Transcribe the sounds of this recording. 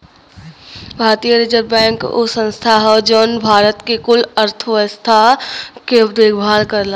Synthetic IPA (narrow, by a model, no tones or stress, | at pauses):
bʱaːɾt̪ijəɾid͡ʒəɾbɛ̃ːŋko̰sə̃nst̪ʰaɦɔd͡ʒoːnbʱaːɾət̪kekʊləɾt̪ʰʋəst̪ʰaked̪eːɡʰbʱaːlkəɾla